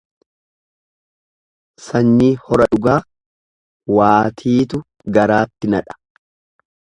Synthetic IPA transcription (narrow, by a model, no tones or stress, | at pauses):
sɐɲːiːhɔɾɐᶑʊɡaː | waːt̪ʰiːt̪ʊ | ɡɐɾaːt̪ːɪnɐᶑɐ̥